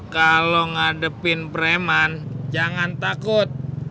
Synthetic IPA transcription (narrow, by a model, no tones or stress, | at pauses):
kaloŋadəpɪnpəɾemand͡ʒaŋant̪akʊt̪̚